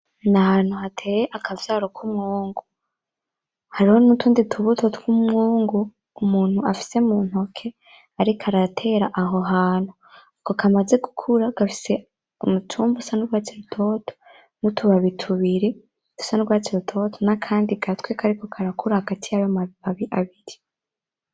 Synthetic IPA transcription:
naɦaːnhuɦatʰe̞ːjeʔakʰavjaːɾokʰumŋuːŋɡu | haɾiho̞nutuːnditʰuβutʰotkwumŋuːŋɡu | umuːn̥huafi̥se̞umuːn̥hokʰe̞ | aɾikʰaɾatʰe̞ːɾaʔaɦo̞ɦaːn̥hu | ko̞kʰamaze̞ɡu̥kʰuɾaɡ̥afi̥se̞ | umut͡ʃuːmbusanuɾɡwaːt͡siɾutʰo̞tʰo̥ | nutʰuβaβitʰuβiɾi | d̥u̥sanuɡwaːt͡siɾutʰo̞tʰonakʰaːndiɡatkwekʰaɾiko̞kʰaɾakʰuɾahaɡatʰijajomaβaβiʔaβiɾi

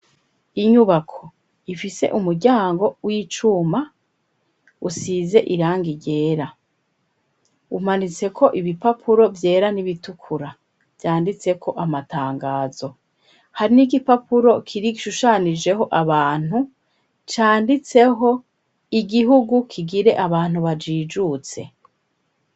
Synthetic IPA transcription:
iɲuβakʰo̞ | ifise̞̰ʔumuɾɟaːŋɡo̞wiːt͡ʃuma | usize̞ʔiɾaːŋɡiɟe̞ːɾa | umanit͡se̞kʰo̞ʔiβipapʰuɾo̞vje̞ːɾaniβitukʰuɾa | v̥jaːndit͡se̞kʰo̞ʔamataːŋɡaːzo̞ | haɾiniɡipapuɾo̞kʰiɾiɡiʃuʃanid͡ʒe̞ɦo̞ʔaβaːn̥u | t͡ʃaːndit͡se̞ɦo̞ | iɡiɦuɡukʰiɡiɾe̞ʔaβaːn̥huβad͡ʒiːd͡ʒut͡se̞̰

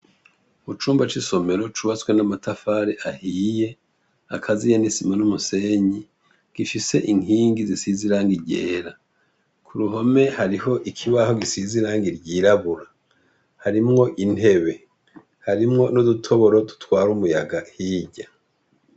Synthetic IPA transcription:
ut͡ʃuːmbat͡ʃiso̞me̞ɾo̞t͡ʃuβat͡swe̞namatafaːɾeʔahiːje̞ | a̰kʰazijenisimanumuse̞ɲi | ɡ̥ifise̞ʔiŋiːŋɡizisiziɾaŋɡiɟe̞ːɾa | kʰuɾuɦo̞me̞haɾiɦo̞ʔikʰiβaho̞ɡisiziɾaːŋɡiɾɟiːɾaβuɾa | haɾimŋo̞ʔinhe̞βe̞ | haɾimŋo̞nudutʰo̞βo̞ɾo̞tu̥twaːɾumujaɡahiːɟa

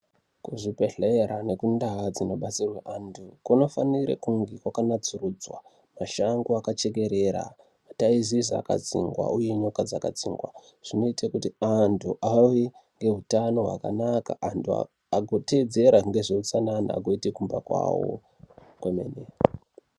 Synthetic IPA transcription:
kuʐipeɬeɾane̞kundad͡zino̞ɓat͡sirwe̞ʔantʰukuno̞faniɾḛkuŋɡekwakanat͡suruːd͡zwa̰ | maʃaŋɡoakat͡ʃe̞k̬e̞ɾeɾa̰ | mataizizaa̰ka̰d͡zḭŋɡwa̰uje̞ɲo̞kad͡zaka̰d͡ziːŋɡwa̰ | ʐ̥ino̞itakutiantʰuʔawiŋɡe̞ɦutano̞ɦwa̰ka̰naka̰ʔantʰua̰ | aɡʱote̞d͡ze̞ɾaŋɡe̞ʐeut͡sananaa̰ɡʱo̞itekumba̰kwa̰wo̰ | kwemḛːne

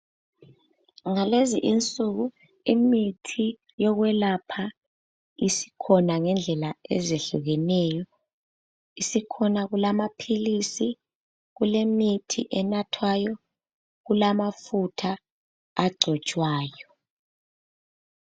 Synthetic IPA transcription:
ŋaleziʔint͡sʼuɣu | imitʰi | jɔɣwɛlapʰa | isi̥kʰɔnaŋɛnd͡ɮʱɛlaɛ̰zeɬuɣɛnɛjɔ | isikʰɔnaɣulamapʰilisi | ɣulemitʰḭʔɛnatʰwajɔ | ɣulamafutʰaː | ɡ͡ǀʱɔt͡ʃʼwaːjɔ

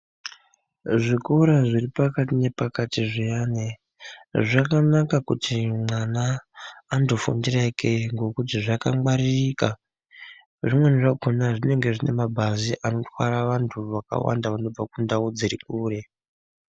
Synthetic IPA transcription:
ʐikuɾaʐiripakatine̞pakatiʐijaːne | ʐakanakakutʰimwanaː | ndofṵndiraikeŋɡo̞kut̬iʐakamaɾirika | ʐimwe̞niʐaɡʱonaʐine̞ŋɡe̞ʐine̞mabʱaziʔano̞twaɾaʋantʰuʋaka̰wa̰ndaʋano̞b͡vakundaud͡ziɾik̚uːre̞

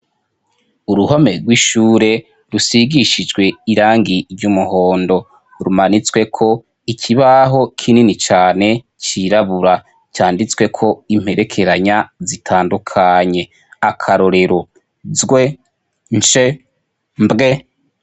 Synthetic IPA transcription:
uɾuhome̞ɾɡwiʃuːɾe̞ | ɾusiɡiʃid͡ʒɡwe̞iɾaːŋɡiɾɟumuho̞ːndo̞ | ɾumanit͡swe̞kʰo̞ | ikʰiβaɦo̞kʰininit͡ʃaːne̞ | t͡ʃiɾaβuɾa | t͡ʃaːndit͡swe̞kʰo̞im̥he̞ɾe̞kʰe̞ɾaɲazitʰaːndukʰaɲe̞ | akʰaɾo̞ɾe̞ɾo̞ | zɡwe | nt͡ʃe | mbɡe

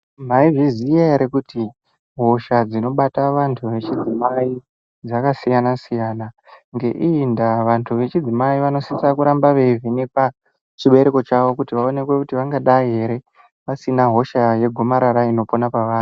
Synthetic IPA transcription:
m̤aiʐizijeɾekuti | ɦo̞ʃad͡zino̞ɓataʋantʰuʋe̞t͡ʃid͡zimai | d͡zakasijanasijaːna | ŋɡe̞ʔindaʋantʰuʋe̞t͡ʃid͡zimaiʋano̞sit͡sakuɾambaʋevinepa | t͡ʃiɓe̞ɾeko̞t͡ʃaʋo̞kutiʋaone̞kwe̞kutiʋaŋɡaɗaiɦe̞ɾe̞ | pasinaɦo̞ʃaje̞ɡʱomaɾaɾaino̞ponapaʋaːnu

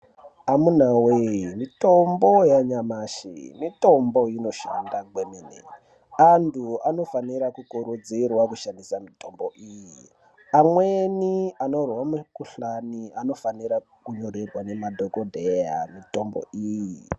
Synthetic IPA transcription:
amun̤aweimito̞mbo̞jaɲamaʃḭmito̞mbo̞ino̞ʃa̰ndakwemenḛ | antʰuano̞faniɾakukuɾud͡zirwakuʃandisamitʰo̞mboʔiji | amweniano̞rwamukuɬaniano̞faniɾa | kuɲo̞ɾerwane̞madʱokodʱeja̰mito̞mbo̞̰iji

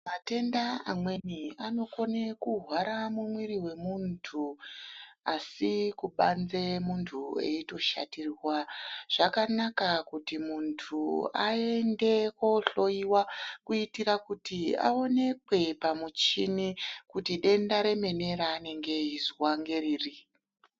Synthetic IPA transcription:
mate̞ndaamwe̞niano̞ko̞nekuɦwaɾamumwiɾiwe̞muntʰu | asikuɓanze̞muntʰuḛito̞ʃa̰tirwaʐ̥akanakakutimuntʰuaende̞ko̞ɬo̞jiwakuitiɾakutia̰o̞ne̞kwe̞pamut͡ʃinikutiɗe̞ndaɾe̞me̞ne̞ɾane̞ŋɡe̞izwaŋɡe̞ɾiːri

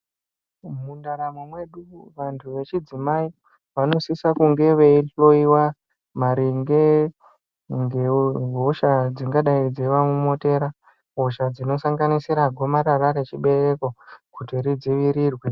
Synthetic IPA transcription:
mundaɾamwemwe̞ɗuʋantʰuʋe̞t͡ʃid͡zimai | ʋano̞sisakuŋɡe̞ʋe̞iɬo̞iwa | maɾiŋɡe̞ | ŋɡeɡʱoʃad͡ziŋɡaɗaid͡zeʋamumo̞te̞ːɾa | ɦoʃad͡zino̞saŋɡanisiɾaɡʱo̞maɾaraɾet͡ʃiɓe̞re̞ko̞kutirid͡ziʋiɾiːrwe

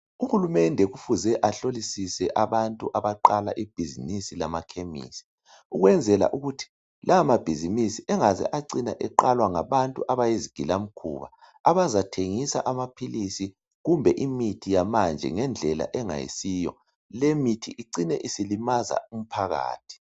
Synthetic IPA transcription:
uxulumɛndʱɛɣufuzɛʔaɬolisisɛʔaβantʼuʔaβaǃala̰ʔib̥ʱizḭnisilamakʰemḭːsi̥ | uɣwɛnd͡zʱɛla̰ʔuɣutʰi̥ | lʔamab̥ʱizimisiʔɛŋazɛ̰ʔaǀina̰ʔɛǃalwaŋaβantʼuʔaβajeziɡ̥ʱilam̩kʰṵβa̰ | aβazatʰeŋisaʔamapʰilisi | ɣumbʱɛʔimitʰijamand͡ʒʱɛ̰ŋɛnd͡ɮʱɛla̰ʔɛŋa̰jḭsijɔ̰ | lemitʰḭʔiǀinɛʔisilimaza̰um̩pʰaɣa̰ːtʰi̥

